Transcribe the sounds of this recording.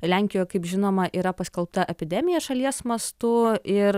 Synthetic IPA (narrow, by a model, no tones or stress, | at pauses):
lʲæŋʲkʲɪjoːjɛkɐɪpʒʲɪnoːmɐʔiːɾɐpɐsʲkʲɛlˠpt̪ɐʔɛpʲɪd̪ʲɛmʲɪjɛʃɐlʲiɛsmɐst̪ʊɪɾ